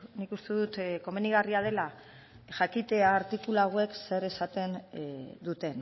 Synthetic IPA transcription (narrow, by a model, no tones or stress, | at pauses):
nikust̪e̞ðut̪ko̞me̞niɣariað̞e̞la | ʝakit̪e̞aːɾt̪ikulaɣwe̞kse̞ɾe̞sat̪e̞nd̪ut̪e̞n